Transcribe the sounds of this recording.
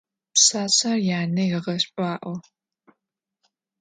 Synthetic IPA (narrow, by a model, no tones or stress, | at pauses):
psaːɕʼarjaːnɐjɪʁɐɕʼpʼaːʔʷɔ